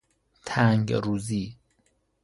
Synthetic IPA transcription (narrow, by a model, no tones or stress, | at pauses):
t̪ʰæŋɡɾuːziː